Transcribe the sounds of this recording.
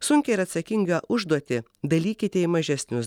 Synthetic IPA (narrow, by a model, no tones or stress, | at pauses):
sʊŋʲkʲɛɪɾɐt̪sɐkʲɪŋʲɡɐʔʊʒd̪uɔt̪ʲɪ | d̪ɐlʲiːkʲɪt̪ʲɛɪmɐʒʲɛsʲnʲʊs